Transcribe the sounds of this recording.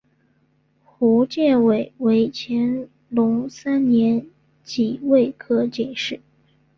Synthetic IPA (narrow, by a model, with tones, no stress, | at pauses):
xu˧˥t͡ɕjɛ˥˩nwe˨˩ɪwe˧˥ɪt͡ɕʰjɛ˧˥n | lʊ˧˥ŋsa˥nnjɛ˧˥n | t͡ɕi˨˩we˥˩ɪkʰɤ˥t͡ɕi˨˩˦ʂɻ̩˥˩